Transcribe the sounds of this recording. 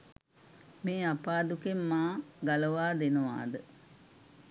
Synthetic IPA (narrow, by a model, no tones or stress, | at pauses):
meːapaːd̪ukemːaːɡaləʋaːd̪enəʋa̰ːd̪ə